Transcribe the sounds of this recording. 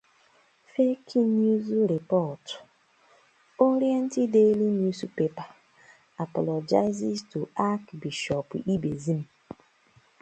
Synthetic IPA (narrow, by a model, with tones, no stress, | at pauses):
fe˦kʰi˦nju˦zɾi˨pɔ˦˨t | o˦ɾje˦n̩˦tɪ˦de˦li˦nu˦zpe˨pa˨ | a˨pɔ˨lɔ˨d͡ʒa˦ɪ˦zɪ˦ztu˨a˦kbi˨ʃɔ˨pi˦be˨zi˦m̩˨